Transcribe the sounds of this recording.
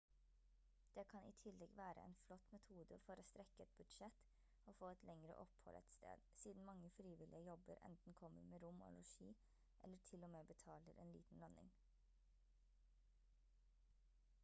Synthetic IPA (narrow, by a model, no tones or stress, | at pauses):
d̪̥eːkʰɑnḭːt̪ʰɪlɛɡʋæːɾʔə̰ʔɛ̰ːnflɔt̪mɛt̪ʰuːd̪əfɔɾoːst̪ɾɛkəɛt̪̚bʉd̪ʃɛt̪ | oːfoːɛt̪lɛŋɾə̰ʔɔphɔ̰lʔɛ̰t̪st̪ʰḛːd̪̥siːd̪n̩mɑŋːəfɾiːʋɪlʔɪəjɔbəɾʔɛ̰nt̪n̩kʰɔməɾmeːɾʊmo̰ːlɔʃiː | ʔɛlːəʈʰɪlɔmeːbət̪ʰɑːləɾʔeːnlḭːt̪n̩lœnɪ̰ŋ